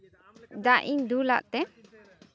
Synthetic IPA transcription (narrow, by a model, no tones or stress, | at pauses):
d̪aʔiɲd̪ula̰ʔt̪ɛ